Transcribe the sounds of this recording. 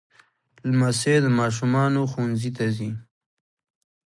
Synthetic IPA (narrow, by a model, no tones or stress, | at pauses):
lmased̪əmɑʃ̬umɑnoxunzit̪azi